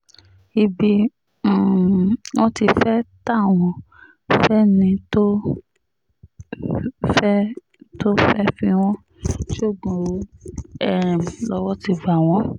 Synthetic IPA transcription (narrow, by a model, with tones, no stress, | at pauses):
i˧bĩ˧˦˨ | w̃ɔ̃˦ti˧fɛ˦ta˦˨w̃ɔ̃˧˨ | fɛ˦nĩ˧to˦ | fɛ˦ | to˦fɛ˦fĩ˧w̃ɔ̃˦ | ʃo˦˨ɡɔ̃˨ɾo˨˦ɛ˦˨lɔ˧˦wɔ˦ti˧va˨w̃ɔ̃˨˦